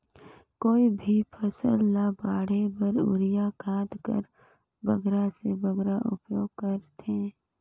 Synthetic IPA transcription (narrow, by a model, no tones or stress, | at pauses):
koːibʱipʰəsəlːabaːɽebəɾʊ̰ɾɪjakʰaːt̪kə̰ɾ | bəɡɾasebəɡɾaʔʊ̰pjoːɡ̚kəɾt̪ẽː